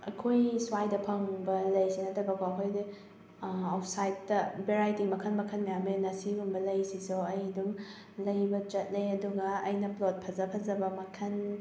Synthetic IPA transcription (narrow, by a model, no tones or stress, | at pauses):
ɐ̰kʰojswajdɐpʰɐŋbɐlɐjsinɐtʰɐbɐkʰoɐɦojdi | awsajtːɐbeɾajtimɐkʰɐnmɐkʰɐnmɐjamenɐsiɡumbɐlɐjsisoɐjdum | lɐjbɐt͡ʃɐt̚lejɐduɡɐːjnɐplot̚pʰɐzɐpʰɐzɐbɐmɐkʰɐn